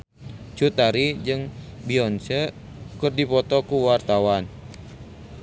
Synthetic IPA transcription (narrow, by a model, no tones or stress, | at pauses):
t͡ʃut̪aɾid͡ʒɨŋbiɔnsə | kɨrdipɔt̪ɔkuwart̪awan